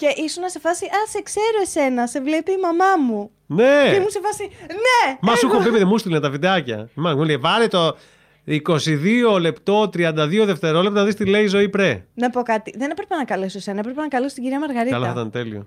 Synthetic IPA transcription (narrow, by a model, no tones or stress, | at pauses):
ce̞ʔisonɐse̞fɐsiʔɐsekse̞ɾoe̞se̞nɐse̞vle̞piːmɐmɐmu | neeimunse̞fɐsinemɐsuxobepeðemust̪ilinɐt̪ɐvid̪ɐcɐ̰imɐnmuleevɐɾet̪o | iko̞siðio̞le̞pt̪o̞t̪ɾiɐnd̪ɐðio̞ðe̞ft̪e̞ɾo̞lept̪nɐðist̪ile̞izo̞ipɾenɐpo̞kɐt̪iðe̞nepɾepenɐkɐlesoesenɐepɾpenɐkɐlesot̪iɟiɾiɐmɐɾɣɐɾiɐlɐθɐt̪ɐnt̪elio̰